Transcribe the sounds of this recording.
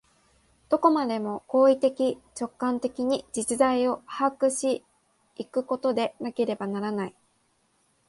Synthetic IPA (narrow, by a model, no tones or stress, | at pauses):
d̪̥o̞ko̞mad̪e̞mo̞ko̞ːit̪e̞kʲit͡ɕo̞kːãnt̪e̞kʲiɲ̟id͡ʑit͡ɕɨzaio̞hakɯ̟ɕi | ikɯ̟ko̞t̪o̞d̪e̞nake̞ɾe̞banaɾanai